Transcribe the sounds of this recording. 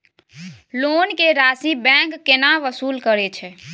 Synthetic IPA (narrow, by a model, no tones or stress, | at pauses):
lonkeɾasibɛ̃ŋkːenaʋəsuːlkəɾɛt͡ʃʰɛ